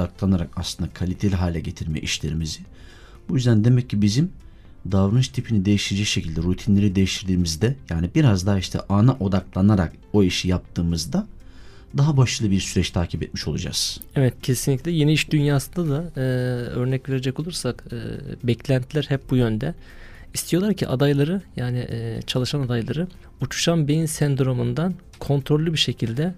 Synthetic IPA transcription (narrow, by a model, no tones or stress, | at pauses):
aklˠanaɾakaslˠɯnd̪akʰalʲit̪ʰelʲiɦaːlʲɛɟe̞t̪ʰiɾmɛ̰ʔiʃlʲe̞ɾimizɪ | bujyzd̪ænd̪e̞mɛcːibizim | d̪avɾɯnɯʃt̪ʰipʰinid̪e̞jiʃt̪ed͡ʒɛkʃe̞cʰilʲd̪ɛɾut̪ʰinlʲe̞ɾid̪ejiʃt̪ʰiɾd̪iːmizd̪ɛjaːnibiɾazd̪aiʃt̪ʰɛ̰ʔanaʔo̞d̪aklˠanaɾa̰k | o̞iʃijap̚t̪ʰɯːmɯzd̪a | d̪aɦabaʃɯlˠɯbiɾsyɾɛt͡ʃt̪ʰaːcʰipɛt̪̚miʃo̞lˠud͡ʒa̰z̥ɛvɛt̪cʰe̞sinlʲiclʲɛjenɛiʃd̪ynjaːsɯnd̪ad̪aɯːø̞ɾnɛcve̞ɾed͡ʒɛco̞lˠuɾsakɯ̰ːbɛclʲænt̪ʰilʲæɾhɛp̚bujønd̪ɛ | ist̪ʰijo̞lˠaɾcʰḭʔa̰d̪ajlˠaɾɯjaːnɪʔt͡ʃʰalˠɯʃanad̪ajlˠaɾɯ | ut͡ʃʰu̥ʃanbejinsænd̪ɾo̞mund̪an | kʰo̞nt̪ʰɾolʲːubiʃecʰilʲd̪ɛ